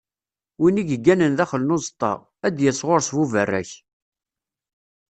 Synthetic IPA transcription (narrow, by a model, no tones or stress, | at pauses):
winiʝəɡːænənðæχələnozət̪ˤːɑ̰ʁ | æd̪jəsʁoɾsvuvərːæ̰ç